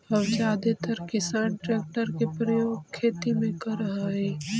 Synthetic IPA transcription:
ɦɐʋd͡ʒaːd̪et̪əɾkɪsaːnʈɾeːk̚ʈəɾkepɾəjoːɡkʰːeːt̪imẽkɐɾɐɦaɦɛː

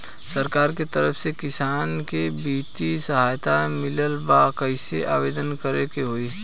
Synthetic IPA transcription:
səɾkaːɾket̪əɾəpʰsekɪsaːnkebiːt̪isəɦaːjt̪amɪləlbakəɪseʔa̰ːbeːd̪ənkəɾekeɦoːiː

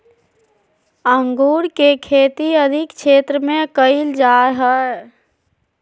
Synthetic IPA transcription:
əŋɡuːɾkekʰeːt̪iəd̪ʱɪkt͡ʃʰeːt̪ɾəmẽkəɪld͡ʒaːɾɦə

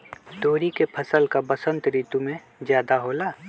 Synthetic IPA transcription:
ɖ̪oːɾikepʰɐsəlkabəsə̃nt̪ɾiːt̪umẽ | zjaːd̪aɦoːlaː

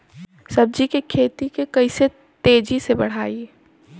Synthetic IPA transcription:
sɐb̚d͡ʒikekʰeːt̪ikekɐɪse | t̪eːd͡ʒisebɐɽ̤aːi

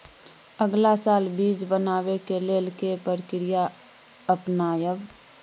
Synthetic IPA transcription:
əɡlasaːlbiːd͡ʒbənaːwekeleːlkepəɾkɾija | əpnaːjəb

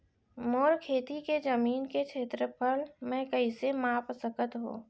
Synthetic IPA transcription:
moːɾkʰeːt̪iked͡ʒəmiːnket͡ʃʰeːt̪ɾəpʰəlmɛ̃kəisemaːpsəkət̪ɦo̰ː

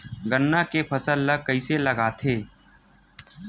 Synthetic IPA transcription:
ɡənːakepʰəsəlːəkəɪselɐɡaːt̪ʰeː

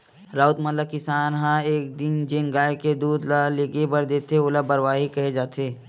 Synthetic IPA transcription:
ɾaːʊt̪mələkɪsaːnɦãeːk̚d̪ɪnd͡ʒɪnɡaːeked̪uːd̪laleːɡebɐɾd̪eːt̪eolabəɾwaːɦikɐɦed͡ʒaːt̪eː

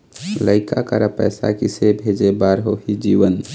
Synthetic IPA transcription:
ləɪkakə̰ɾəpə̰jsa̰kisebʱed͡ʒebaɾɦoɦid͡ʒiʋən

